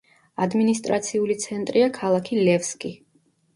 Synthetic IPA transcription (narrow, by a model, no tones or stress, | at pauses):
ad̪minist̪ʼɾat̪sʰiulit̪sʰɛnt̪ʼɾiakʰalˠakʰilɛfskʼi